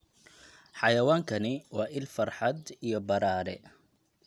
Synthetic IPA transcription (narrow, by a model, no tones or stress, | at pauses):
ħɑjɐwaːŋkʰɐnɪwɑːʔɪlfɐrħɑd̪ijɔbɐɾaːɾɛ̰